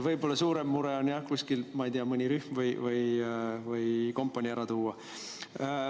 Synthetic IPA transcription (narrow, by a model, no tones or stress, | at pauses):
vɤjbo̞lːɑsuːɾe̞mːuɾe̞onjɑkusʲkilmɑejd̪iɑmɯnʲiɾyhmvɯjvɯjvɯjko̞mpːˑɑnʲiæɾɑt̪uːɑ